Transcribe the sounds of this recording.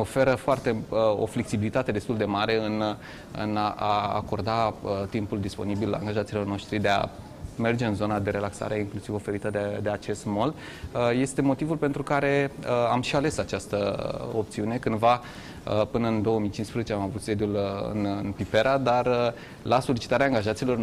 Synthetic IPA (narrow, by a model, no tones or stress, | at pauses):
ofe̞ɾəfoart̪e̞əo̞̰fleksibilit̪at̪e̞d̪e̞st̪uld̪e̞maɾe̞ɨn | ɨ̰nʔaa̰ko̞rd̪aət̪impuld̪ispo̞̰nibila̰ŋɡaʒat̪silo̞rno̞ʃt̪ɾid̪e̞a̰ | me̞rd͡ʒeɨnzo̞nad̪e̞ɾe̞laksa̰ɾe̞iŋklusivo̞fe̞ɾit̪əd̪ed̪e̞at͡ʃe̞st̪mo̞ld̪ | əje̞st̪e̞mo̞t̪ivulpe̞nt̪ɾukaɾe̞əamʃiale̞sat͡ʃast̪əo̞p̚t̪siune̞kɨnd̪va | əpɨnəɨnd̪o̞wəmijt͡ʃinspɾezet͡ʃeamavut̪se̞d̪julɨ̰nɨ̰npipe̞ɾad̪ar | laso̞lit͡ʃi̥t̪aɾeaːŋɡaʒat̪silo̞r